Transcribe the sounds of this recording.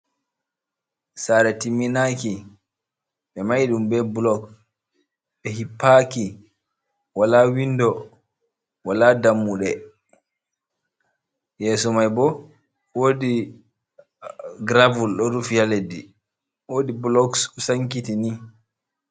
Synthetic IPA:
saːɾɛtimːinaki | ɓɛmajɗumbɛblɔk̚ | ɓɛhipːaki | walawindɔ | walaːdamːuɗɛ | jɛːsɔmajbɔ | woːdi | ɡɾavulɗɔɾufjaledi | woːdiblɔkssaŋkitini

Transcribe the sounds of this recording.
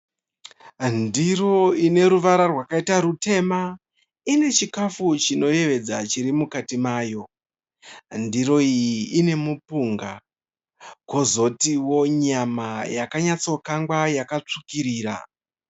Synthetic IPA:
ndiro̞ine̞ɾuʋaɾarwakaitaɾute̞ma | ine̞t͡ʃikafut͡ʃino̞je̞ʋe̞d͡zat͡ʃiɾimukatimaːjo̞ | ndiɾo̞ijiːne̞mupuŋɡa̰ | ko̞zo̞tiwo̞ɲamajakaɲat͡so̞kaŋɡwajakat͡ʂukiɾiːɾa̰

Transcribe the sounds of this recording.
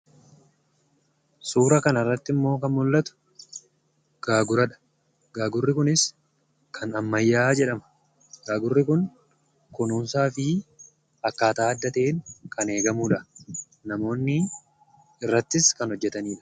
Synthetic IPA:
suːɾɐkɐnɐrːɐt̪ːɪmːo̞ːkɐnmʊlːɐt̪ʊ̥ | ɡ̥aːɡʊɾɐᶑɐ̥ | ɡ̥aːɡʊrːɪkʊnɪs | kʰɐnɐmːɐjːaːd͡ʒɛᶑɐmɐ̥ | ɡ̥aːɡʊrːɪkʊn | kʊnuːnsaːfɪ | ɐkːaːt̪aːɐd̪ːɐt̪e̞ːŋkʰɐne̞ːɡɐmuːᶑɐ | nɐmo̞ːnːɪ | ɪrːɐt̪ːɪskɐnhɔd͡ʒːɛt̪ɐniːᶑɐ̥

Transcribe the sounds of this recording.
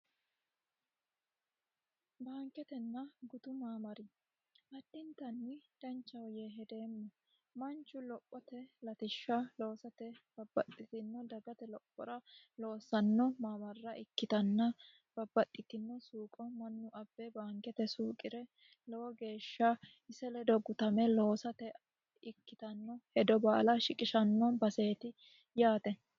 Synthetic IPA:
baːŋkɛt̪ɛnːɐɡʊt̪ʊmaːmɐɾɪ | ʔɐd̪ːɪnt̪ɐnːɪd̪̥ɐnt͡ʃːɐwjɛɦɛd̪e̞ːmːɔ | mɐnt͡ʃːʊlɔpʼːɔt̪ɛlɐt̪ɪʃːɐlo̞ːsɐt̪ɛb̥ɐbːɐt̪ʼːɪt̪ɪnːɔd̪ɐɡɐt̪ɛlɔpʼːɔ̰ɾɐ | lo̞ːsɐnːɔmamɐrːɐʔɪkːɪt̪ɐnːɐ | b̥ɐbːɐt̪ʼːɪt̪ɪnːɛsuːkʼɔmɐnːʊʔɐbːɛbaːŋkɛt̪ɛsuːkʼɪɾɛ | lɔwɔɡe̞ːʃːɐ | ɪsɛlɛd̪ɔɡʊt̪ɐmɛlo̞ːsɐt̪ɛ | ɪkːɪt̪ɐnːɔhɛd̪ɔbaːlɐʃɪkʼɪʃɐnːɔbɐse̞ːt̪ɪ | jaːt̪ɛ

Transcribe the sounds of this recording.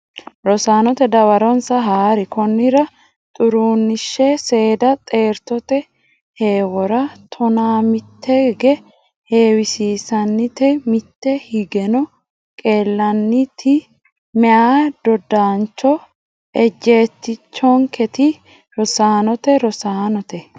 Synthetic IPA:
ɾɔsaːnɔt̪ɛd̪ɐwɐɾɔnsɐɦaːɾɪkɔnːɪɾɐ | t̪ʼʊɾuːnːɪʃːɛse̞ːd̪ɐt̪ʼe̞ːɾt̪ɔt̪ɛ | he̞ːwɔɾɐt̪ʰɔnaːmɪt̪ːɛɡɛ | he̞ːwɪsiːsɐnːɪt̪ɛmɪt̪ːɛhɪɡɛnɔ | kʼe̞ːlːɐnːɪt̪ʰɪ | mɛʔaːd̪̥ɔd̪aːnt͡ʃːɔ | ʔɛd͡ʒːe̞ːt̪ːɪt͡ʃːɔŋkɛt̪ɪ | ɾɔsaːnɔt̪ɛɾɔsaːnɔt̪ɛ

